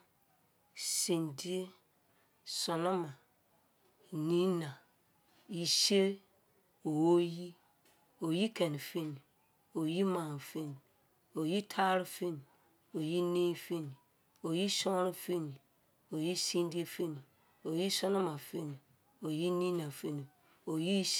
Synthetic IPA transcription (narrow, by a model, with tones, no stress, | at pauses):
sĩ˨ndi˦e˦ | sɔ˨nõ˦mã˨ | nĩ˦nã˨ | i˦se˦ | o˨wo˦ji˦ | o˨ji˦kʰɛ˨ni˨fi˦ni˨ | o˨ji˦mã˨n˨fi˦ni˨ | o˨ji˦tʰa˦ɾi˦fe˦ni˨ | o˨ji˦nẽ˦fi˦ni˨ | o˨ji˦sɔ̃˦ɾi˦fi˦nĩ˨ | o˨ji˦sĩ˦n˦di˦e˦fe˦nĩ˨ | o˨ji˦sɔ˦nɔ̃˦mã˨fe˦nĩ˨ | o˨ji˦nĩ˦nã˨fe˦nĩ˨ | o˨ji˦